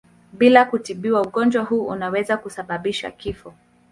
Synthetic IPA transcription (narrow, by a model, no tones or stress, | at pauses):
ɓilakutiɓiwauɠɔnd͡ʒwahuːunawɛzakusaɓaɓiʃa̰kifɔ